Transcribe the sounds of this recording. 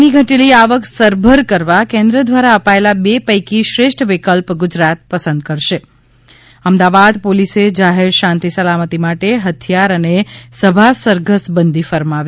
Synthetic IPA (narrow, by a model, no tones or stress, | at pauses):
niɡʱəʈeliaʋəksəɾbʱəɾkəɾʋakẽnd̪ɾəd̪ʋaɾaəpaelabepəjkiʃɾeʃʈʰʋɪkəlpɡʊd͡ʒɾat̪̚pəsə̃nd̪̚kəɾʃe | əmd̪aʋad̪polised͡ʒaɦeɾʃãnt̪isəlamət̪imaʈeɦət̪ʰjaɾənesəbʱasəɾɡəsbənd̪ʱifəɾmaʋ